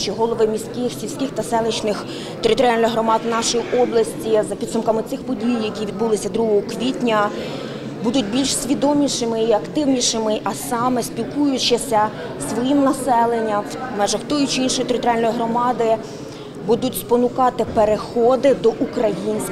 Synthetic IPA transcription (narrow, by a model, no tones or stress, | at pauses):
t͡ʃɪɦɔlˠɔʋɪmʲisʲkɪxsʲilʲsʲkʲɪxt̪ɐsɛlˠɪt͡ʃnɪx | t̪eɾɪt̪ɔɾɪɑlʲnɔjɦɾɔmɑd̪nɑʃɔjiʔɔblˠɐsʲtʲizɐpʲid̪sʊmkɐmɪt̪ɪxpɔdʲijjɐkʲiʋʲid̪̚bulˠɪsʲɐd̪ɾuɦɔɦɔkʋʲitʲnʲɐ | bud̪ʊt̚ʲbʲilʲʃsʲʋʲid̪ɔmʲiʃɪmɪiɐkt̪ɪwnʲiʃɪmɪʔɐsɑmɛsʲpʲilkujʊt͡ʃɪsʲɐ | sʋɔjimnɐsɛlˠenʲːɐm | mɛʒɛwt̪ɔjʊt͡ʃiinʃɔjt̪eɾɪt̪ɔɾɪɑlʲnɔjɦɾɔmɑd̪ɪ | bud̪ʊtʲspɔnʊkɑt̪ɪpeɾexɔd̪ɪd̪ɔʔukɾɐjinʲsʲ